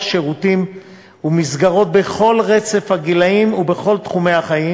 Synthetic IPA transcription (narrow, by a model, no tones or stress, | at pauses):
ʃe̞ʁutim | umizɡaʁo̞t̪̚beχo̞lʁe̞t͡se̞fhaɡilaimubeχo̞lt̪χume̞haχaji